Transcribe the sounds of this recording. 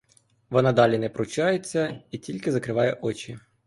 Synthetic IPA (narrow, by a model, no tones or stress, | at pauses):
ʋɔnɑd̪ɑlʲinɛpɾʊt͡ʃɑjet͡sʲːɐitʲilʲkɪzɐkɾɪʋɑjɛʔɔt͡ʃi